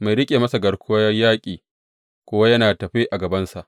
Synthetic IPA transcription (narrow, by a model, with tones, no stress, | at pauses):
ma˨jɾɪ˦kʲʼeː˨mɐ˦sa˨ɡɐ˨ɽkʷʊ˦jɐ˦jaː˦kʲʼiː˨ | kʷoː˦wa˦jɐ˦naː˨tɐ˨ɸeː˦ʔa˨ɡɐ˨bɐ˦nsa˨ʔ